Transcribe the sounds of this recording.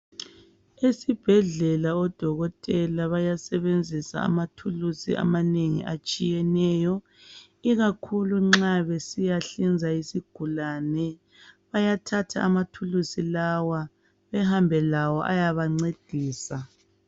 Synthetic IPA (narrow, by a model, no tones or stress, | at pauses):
esib̥ʱɛɮɛlaɔd̥ʱɔɣɔtʼɛlaβajasɛβend͡zʱisa̰a̰matʰulusḭa̰maneŋḭʔat͡ʃʼijɛnɛːjɔ | iɣakʰuluŋ͡ǁaβesijaɬind͡zʱaisiɡ̥ʱulanɛ | βajatʰatʰa̰ːmatʰulusilawa | βɛɦambʱɛlawɔʔajaβaŋ͡ǀed̥ʱiːsa